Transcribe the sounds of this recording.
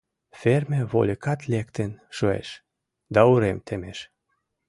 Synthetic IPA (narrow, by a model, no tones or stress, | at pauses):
fermʲĕβo̰lʲəkɑt̪lʲek̚t̪enʃuḛʃ | d̪ɑuɾemt̪ʰemeʃ